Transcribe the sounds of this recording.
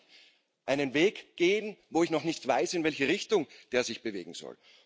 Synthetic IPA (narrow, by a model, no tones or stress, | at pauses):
ʔaɪnənveːkɡ̥eːm̩voːɪçnɔχnɪçtv̥aɪsɪnvɛlçəʁɪçtʊŋd̥eːɐzɪçb̥əvḛːɡŋ̩z̥ɔ̰l